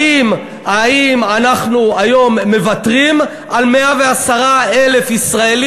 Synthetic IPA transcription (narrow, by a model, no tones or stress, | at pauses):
im | aimanaχnuajo̞mːe̞vatʁim | ʔalmeave̞asaʁaele̞fisʁael